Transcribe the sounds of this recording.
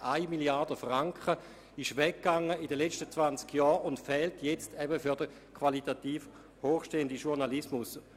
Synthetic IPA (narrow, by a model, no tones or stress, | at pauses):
ʔaɪmiljaɐdəfʁaŋkχə | ɪʃʋɛkɡ̥aŋəidəlɛt͡ʃtət͡svant͡skjɔːʊntfɛːltʰjɛt͡stʰɛbəfyɐdə | kʰvalitatiːf | hoːχʃteːəndiʃuʁnalismʊs